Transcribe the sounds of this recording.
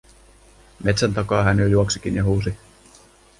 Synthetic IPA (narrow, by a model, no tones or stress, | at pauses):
me̞t̪sænt̪ɑkɑːɦæneljuoksik̟injɑɦuːs̬i